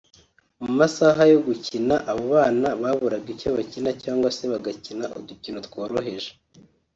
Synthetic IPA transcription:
mumasaɦajo̞ɡucinaʔaβoβaːnaβaβuɾaɡicoβacinacaːŋɡwaseβaɡacinaʔo̰d̪ucinot̪woːɾo̞ɦe̞ʒe

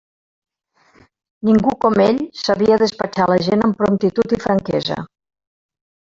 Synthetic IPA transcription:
niŋɡukɔmeʎsəβiəðəspət͡ʃaləʒenəmpɾomt̪it̪ut̪ifɾəŋkɛzə̰

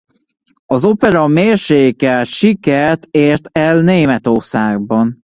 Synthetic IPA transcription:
ɒzo̞pɛɾɒmeːrʃeːkɛlʃikɛrt̪eːrt̪ɛlneːmɛt̪orsaːɡ̚bɒn

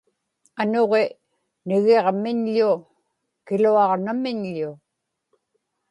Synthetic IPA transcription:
anoʁe | nɪɣe̞ʁmɪɲʎʊ | kɪluɑʁnamɪɲʎʊ

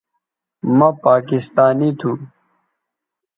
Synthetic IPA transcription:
mɐpaːkist̪aːnit̪ʰũ

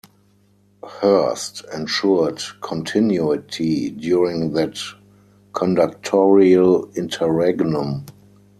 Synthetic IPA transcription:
hɜ˞stɛ̃nʃudkʰɔ̃ntʰɪ̃njuɪtʰidjuɹɪ̃ŋðæt | kʰɔ̃ndak̚tʰɔɹiəlɪ̃ntʰəɹɛɡnʊ̃m

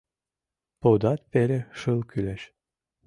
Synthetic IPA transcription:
pod̪ɑt̪̚pelʲeʃɯlˠkylæʃ

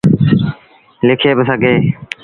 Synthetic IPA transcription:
lɪkʰeːbɪsəɡʱeː

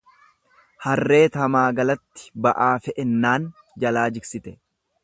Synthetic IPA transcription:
hɐrːe̞ːt̪ɐmaːɡɐlɐt̪ːɪ̥bɐʔaːfɛʔɛnːaːn | d͡ʒɐlaːd͡ʒɪksɪt̪ɛ

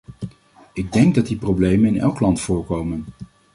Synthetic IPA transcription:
ɪɡ̚dɛŋɡ̚dɑt̚diprowblejmənɪnɛ̰lˠklɑntfʊːɹkowmən

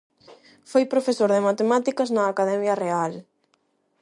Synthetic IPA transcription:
fojpɾofesoɾðɪmat̪emat̪ikɐznɐːkaðɛmjɐreal

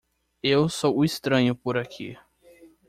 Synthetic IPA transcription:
ewsowʊist̪ɾɐ̃ɲʊpoɾakʰḭ

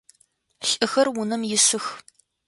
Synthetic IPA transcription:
ɬʼɨxɐrwʊnɐmjɪsɨx

